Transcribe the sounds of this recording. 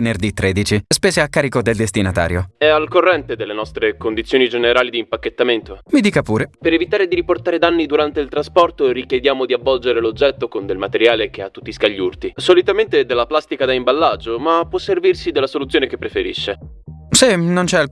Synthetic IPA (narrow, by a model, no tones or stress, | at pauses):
nerd̪it̪ːɾʔeːd̪it͡ʃispeːzeakːaːɾikod̪eld̪est̪inat̪a̰ːɾjo̰ɛalkorːɛnt̪ed̪elːenɔst̪ɾekond̪it̪sːjoːnid͡ʒeneɾaːlid̪iːmpakːet̪ːament̪omid̪iːkapuːɾepeɾevit̪aːɾed̪iɾiport̪aːɾed̪anːid̪uɾant̪eilt̪ɾaspɔrt̪oɾikjed̪jaːmod̪iavːɔld͡ʒeɾelod͡ʒːɛt̪ːokond̪elmat̪eɾjaːlek̟eat̪ːu̥t̪ːiskaʎːurt̪isolit̪ament̪ed̪elːaplast̪ikad̪aimbalːad͡ʒomapːwɔsːervirsid̪elːasolut̪sːjoːnekepːɾefeɾiʃːe | sinont͡ʃɛal